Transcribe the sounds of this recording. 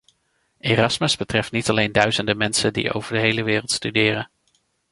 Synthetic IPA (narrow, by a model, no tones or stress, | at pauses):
ʔeːrɑsməzbətrɛftnitɑlejndœɥzəndəmɛnsəndḭʔo̰wvəɹdəɦejləʋɪːrəlˠtstydɪːrən